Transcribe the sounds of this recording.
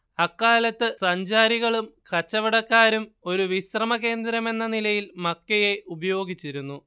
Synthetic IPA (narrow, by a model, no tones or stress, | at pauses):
ɐkːaːlɐt̪ːɨsɐɲd͡ʑaːɾiɣɐɭumkɐt͡ɕːɐʋiɽɐkːaːɾumo̞ɾuʋiɕrɐmɐɣe̞ːnd̪ɾɐme̞nːɐnilɐjilmɐkːɐje̞ʔubɐjo̞ːɡit͡ɕːiɾunːu